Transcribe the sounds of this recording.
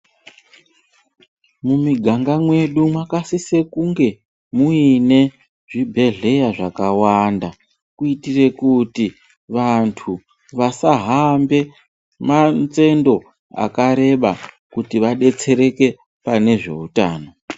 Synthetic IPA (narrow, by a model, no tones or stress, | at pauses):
mumiɡʱaŋɡamwe̞ɗumwakasise̞kuŋɡe̞ | muine̞ | ʐ̥ibʱe̞ɮe̞jaʐakawanda | kuitire̞kuti | ʋantʰu | ʋasaɦambe̞ | mant͡se̞ndo̞ | a̰kaɾe̞ɓa | kutiʋaɗe̞t͡se̞ɾe̞ke̞ | pane̞ʐe̞̰utaːno̞